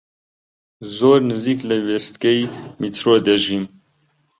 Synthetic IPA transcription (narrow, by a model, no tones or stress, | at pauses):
zoːɾnɨziːkləwest̪kɛjmit̪ʰɾoːd̪ɛʒim